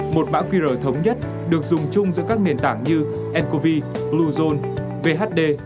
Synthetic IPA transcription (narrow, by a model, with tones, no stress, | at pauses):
mo˨˩t̚ɓa̰ː˧˥kwi˧zəː˧˩t̪ʰə˨˦wŋ͡mɲə˦˥t̚ | ɗɨ˨˩ək̚zʊ˨˩ŋ͡mt͡ɕʊ˧ŋ͡mzɨ̰˧˥kaː˦˥k̚ne˨˩nt̪aː˧˩ŋɲɨ˧ | ʔɛ˧nko˧vi˧ | lu˧zo˧n | ve˧ɦaː˦˥t̚ɗe˧